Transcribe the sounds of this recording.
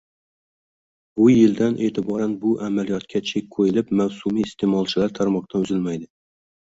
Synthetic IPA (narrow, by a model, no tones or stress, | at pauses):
bʊjɪld̪anʔe̞ːt̪ʰɪbɒɾanbʊʔamalijɒt̪kʲʰat͡ʃʰekʲkʰojɪlɪpmawsumiːst̪ʰemɒlˠt͡ʃʰɪlaɾt̪ʰaɾmɒq̚t̪ʰanʊzɪlmajd̪ɪ